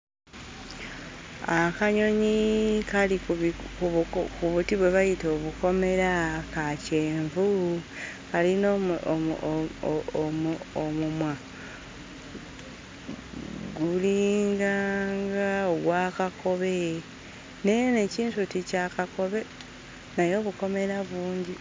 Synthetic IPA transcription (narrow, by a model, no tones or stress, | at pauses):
akaɲo̞ɲikalikukuβutiβwe̞βajito̞ːβuko̞me̞ɾakace̞ːɱvu | kalino | omumwa | ɡuliːŋɡaːŋɡaoɡwaːkakʰo̞βe | nejene̞ciːntuticakako̞βe̞ | najo̞ːβuko̞me̞ɾaβuːɲɟi